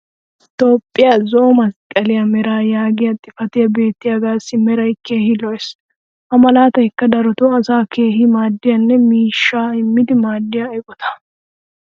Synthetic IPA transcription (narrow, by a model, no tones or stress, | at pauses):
t̪o̞ːpʼːɪjazɔʔɔmɐskʼːɐlɪjɐmɛɾaːjaːɡɪjɐt̪ʼːɪfɐt̪ɪjɐbe̞ːt̪ːɪjɐɡaːsːɪmɛɾɐjke̞ːhɪlɔjs | ʔɐmɐlaːt̪ɐhɪkːɐd̪ɐɾɔt̪ɔɐsaːke̞ːɦɪmaːd̪ːɪjɐnːɛmiːʃːaːɪmːɪd̪ɪmaːd̪ːɪjaɛkʼɔt̪ɐ̥